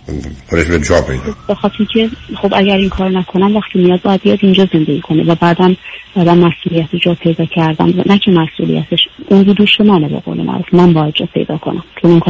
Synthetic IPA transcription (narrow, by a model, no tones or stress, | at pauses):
koɾeʃbet͡ʃʰɒpʰḛjd̪bexɒːt̪ʰeɾicʰe̞χo̞bæɟæɾiŋkʰɒːɾonækʰo̞næmvæxt̪ʰimijɒːd̪̚bɒːjæd̪̚bijɒd̪ind͡ʒɒːze̞nd̪eɟiːkʰo̞nevæbæːd̪ænb̥æːd̪ænmæsʔuːlijæt̪ʰod͡ʒɒːpʰe̞jd̪ɒːcʰæɾd̪æ̰nd̪væ̰næcʰemæsṵːlḭjæ̰t̪ʰeʃund͡ʒuːd̪uːʃemænebḛɣo̰ːlemʔæ̰ɾuːfmænbɒːjæd̪̚d͡ʒɒ̰pʰe̞̰jd̪ɒ̰ːkʰo̞̰nʔæmkʰemoŋkʰː